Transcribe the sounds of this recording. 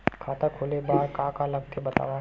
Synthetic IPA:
kʰaːt̪akʰoːlebaːɾkãːkalɐɡ̚t̪ʰebɐt̪a̰ːʋa

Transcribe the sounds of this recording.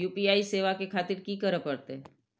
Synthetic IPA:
uːpiaːiseːʋakekʰaːt̪ɪɾkikəɾəpɐɽt̪eɛ

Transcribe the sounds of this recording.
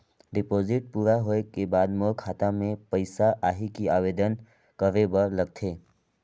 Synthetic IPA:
ɖɪpoːzɪʈ̚puːɾaɦoːekebaːd̪mokʰaːt̪amẽpəɪsaʔaːɦikiaːʋeːd̪ən | kəʋebəɾləɡ̚t̪ʰeː

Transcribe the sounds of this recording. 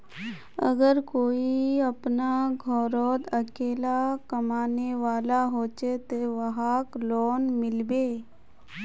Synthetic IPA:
ə̰ɡəɾkoːiɐpnaɡʱɔːɾɔːd̪əkeːlakəmaːneʋaːlaɦoːt͡ʃet̪oʋəɦaːklɔːnmɪlbeː

